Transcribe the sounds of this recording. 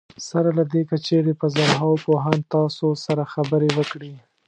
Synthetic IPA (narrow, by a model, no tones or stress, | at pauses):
saɾalad̪ekat͡ʃeɾepəzaɾɦɑwopoɦɑnt̪ɑsosaɾaxabəɾewəkɽi